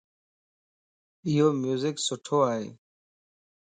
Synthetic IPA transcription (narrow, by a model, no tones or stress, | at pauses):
ɪɦoːmjuːzɪksʊʈʰoːaːɦḛː